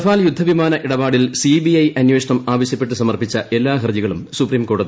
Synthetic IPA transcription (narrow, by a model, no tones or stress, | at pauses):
faːljud̪ʱːɐʋimaːnɐʔiɽɐbaːɽilsibiɐjɐnjweːʂɐɳɐmaːʋɐɕjɐpːe̞ʈːɨsɐmɐrpit͡ɕːɐʔe̞lːaːɦrɐðiɣɐɭumsupriːmko̞ːɽɐði